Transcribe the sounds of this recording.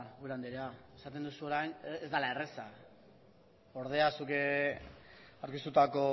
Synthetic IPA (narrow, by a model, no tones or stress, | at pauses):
ɣuɾand̪iɾeaesat̪e̞nd̪usuo̞ɾajnezd̪alae̞resa | o̞ɾð̞e̞asuke | awɾkist̪ut̪ako̞